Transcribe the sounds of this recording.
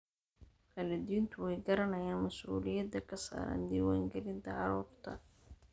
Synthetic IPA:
kʰɐlɪd̪iːnt̪ʰʊwɛjɡɐɾɐnɐjaːnmɐsṵːlɪjɐd̪ɐkʰɐsa̰ːɾɐ̰ːnd̪iːwaːŋɡɛlɪnt̪ʰɐʕɑɾuːrt̪ʰɐ̰

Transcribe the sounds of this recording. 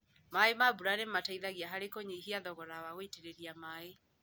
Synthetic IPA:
maemabuɾanemataiðaɣjaɦaɾekoɲeiɦiaðɔɣɔɾawaɣoiteɾeɾiamae

